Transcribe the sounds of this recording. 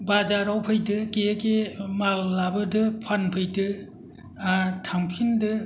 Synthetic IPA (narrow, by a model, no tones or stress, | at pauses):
bazaɾawpʰɯjtɯkekemalːabɯdɯpʰanpʰɯjtɯ | tʰaŋpʰindɯ